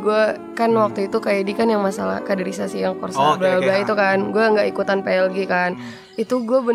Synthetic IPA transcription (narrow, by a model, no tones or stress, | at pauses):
ɡuɛ | kanwak̚t̪uit̪ukajadikanjaŋmasala̰kadɛɾisasijaŋkɔrsababait̪ukanɡuɛəŋɡaʔikut̪anpeɛlɡikan | it̪uɡuɛbə